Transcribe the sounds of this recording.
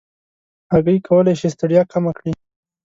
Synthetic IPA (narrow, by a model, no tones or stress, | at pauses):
haɣəikʰawəlajʃist̪aɽjɑkʰamakɽi